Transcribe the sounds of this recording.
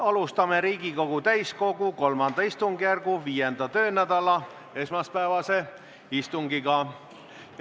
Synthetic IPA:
ɑlust̪ɑme̞ɾiːɡiko̞ɡ̥ut̪æjsko̞ɡuko̞lmɑnd̪̥ɑist̪uŋɡijærɡ̥uviːjend̪ɑt̪ø̞ːnæd̪̥ɑlɑ | e̞smɑspæevɑse̞ | ist̪uŋɡ̥iɡ̥ɑ

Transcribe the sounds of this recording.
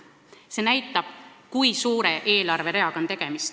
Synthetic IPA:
se̞næjt̪ːˑɑb̥kujsuːɾe̞ʔe̞ːlɑrveɾe̞ɑɡ̥o̞nt̪e̞ɡ̥e̞mist̪

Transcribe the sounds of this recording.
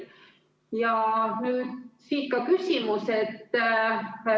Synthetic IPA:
jɑnyːd̪siːt̪̚kɑkysʲimuse̞t̪ː

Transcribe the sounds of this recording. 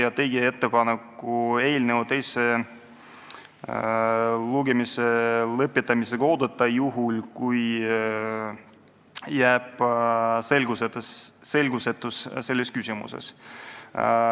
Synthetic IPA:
ɑt̪ːeːɡie̞t̪ːe̞pɑnekːue̞ːlnevɑt̪ːe̞jse | luɡemiselɤpːˑit̪ːˑɑmiseko̞ːd̪̥et̪ːˑɑjuɦulkuj | jæːb̥se̞lɡ̥uset̪ːesːe̞lʲɡ̥use̞t̪ːˑusse̞lʲːeskysʲimṵsḛs

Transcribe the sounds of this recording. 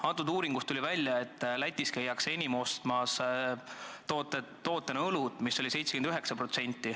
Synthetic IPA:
ɑt̪ːˑud̪uːɾiŋɡ̥ust̪ulʲivælʲːjɑe̞t̪ːˑlæt̪ʲːˑiskejːɑkse̞nʲimo̞st̪mɑs | t̪ot̪e | t̪o̞ːt̪ːˑeneɤlut̪misːo̞lise̞jt̪sekend̪yɦe̞ksɑpɾro̞t̪se̞nʲt̪ːˑi

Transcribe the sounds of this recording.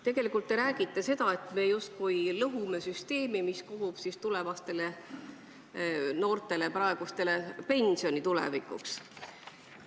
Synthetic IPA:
t̪e̞ɡ̥e̞likˑult̪ːe̞ɾæːɡ̥it̪ːˑe̞se̞d̪̥ɑe̞t̪ːˑme̞just̪̚kujlɤɦume̞syst̪e̞ːmimiskuɦub̥sist̪ule̞vɑst̪e̞le̞ | no̞ːrt̪ˑe̞lepɾɑeɡ̥ust̪e̞le̞pe̞nʲsio̞nit̪ulḛvikˑṵks

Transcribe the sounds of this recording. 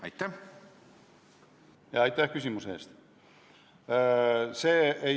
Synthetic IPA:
ɑjt̪ːæh | jɑɑjt̪ːˑæhkys̬ʲimuseːst̪ | seːe

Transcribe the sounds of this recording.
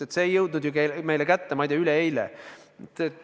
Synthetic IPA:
et̪se̞ːjːɤwd̪nud̪jukelme̞jlekæt̪ːemɑjd̪eɑyleejlɛ̰t̪ːe

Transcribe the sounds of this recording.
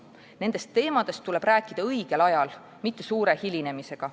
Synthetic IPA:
ne̞nd̪e̞st̪ːe̞ːmɑd̪̥e̞st̪ːule̞b̥ɾæːkˑːid̪̥ɑɤjɡ̥e̞lɑjɑl | mit̪ːe̞suːɾe̞hilʲine̞mise̞ɡ̥ɑ

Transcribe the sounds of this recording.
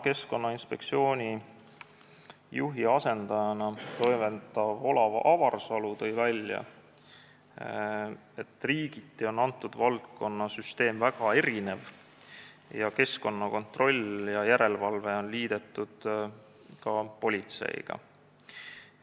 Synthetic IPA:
ke̞sko̞nːɑinspe̞k̚t̪sio̞ːnʲi | juɦiɑse̞nd̪̥ɑjɑnɑt̪o̞jment̪ːˑɑvolɑʔɑvɑrsɑlut̪ɤjvælʲjɑ̰ | e̞t̪ːˑriːɡ̥it̪ːˑeo̞nɑnt̪ːˑud̪̥vɑlt̪̚ko̞nːɑsyst̪e̞ːmvæɡ̥ɑe̞ɾine̞v | jɑke̞sko̞nːɑko̞nt̪ro̞lʲjɑjæɾe̞lvɑlve̞o̞nliːd̪̥e̞t̪ːˑud̪̥ | kɑpo̞lʲit̪se̞̰ḭɡ̥ɑ̰

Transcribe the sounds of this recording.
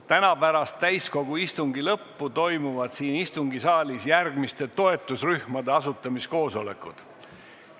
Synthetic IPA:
t̪ænɑpæɾɑst̪ːæjsko̞ɡ̥uist̪uŋɡ̥ilɤpːut̪o̞jmuvɑd̪̥siːnist̪uŋɡisɑːlʲisjærɡ̥mist̪e̞t̪o̞e̞t̪ːˑusryhmɑd̪e̞ɑsut̪ːˑɑmisko̞ːso̞le̞̰kˑud̪̥

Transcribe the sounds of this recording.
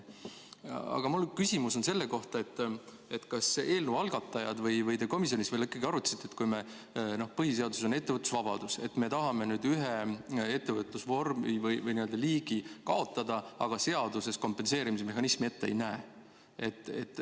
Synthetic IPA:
ɑ̰ɡ̥ɑmulkysimuso̞nse̞lːe̞ko̞ht̪ɑe̞t̪ːˑ | e̞t̪kɑse̞ːlnuːɑlɡ̥ɑt̪ːˑɑjɑd̪vɤjvɤjt̪eko̞misio̞nisvelikːˑɑɡiɑɾut̪ːɑ̥sit̪ːet̪kujme | no̞hpɤɦis̬e̞ɑd̪useso̞ne̞t̪ːe̞vət̪ːˑu̥svɑb̥ɑ̰d̪use̞̰t̪me̞t̪ɑɦɑme̞nyːd̪yɦee̞t̪ːevət̪lusvo̞rmivɯjvɯjniø̞ld̪̥ɑliːɡ̥ikɑo̞t̪ːˑɑd̪ɑɑɡ̥ɑse̞ɑd̪use̞sko̞mpːe̞nse̞ːɾimis̬eme̞ɦɑnismie̞t̪ːeḛjnæe | e̞t̪ːˑet̪ːˑ

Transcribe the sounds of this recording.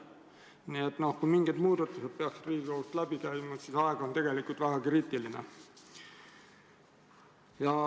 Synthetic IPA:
niet̪ːˑno̞hkujmiŋɡ̥id̪muːd̪̥ɑt̪ːˑuse̞d̪̥̚peɑksd̪riːɡ̥ʲikowust̪læb̥ikæjmɑsiːsɑeɡ̥ɑont̪e̞ɡ̥e̞likˑult̪væɡ̥ɑkriːt̪ˑilinḛ | jɑ

